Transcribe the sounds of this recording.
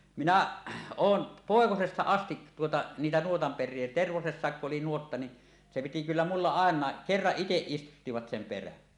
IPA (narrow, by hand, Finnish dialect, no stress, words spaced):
minæ oːn poˑekosestɑ ɑstit tuotɑ niːtæ nuotɑmperˑie terʋosesːɑˑekːuʔ ʔoli nuotːɑ ni se piti kylːæ mulːɑ ɑˑenˑɑˑe kerːɑʔ ʔiteʔ ʔistutːiʋɑt sem peræn